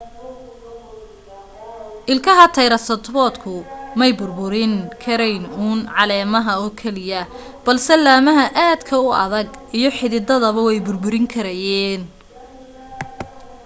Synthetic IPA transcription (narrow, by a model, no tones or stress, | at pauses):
ʔɪlkʰɐɦɐt̪ʰɐjɾɐsɐt̪ʰbɔːd̪kʰʊmɛjbʊrbʊɾɪŋkʰɐɾɛjnuːnʕɑlɛːmɐɦɐɔːkʰɛlɪjɐ | b̥ɐlsɛlaːmɐɦɐʔaːd̪kʰɐʊʔɐ̰ðɐɡijɞħɪðɪd̪ɐðɐβɐwɛjbʊrbʊɾɪŋkʰɐɾɐjɛːn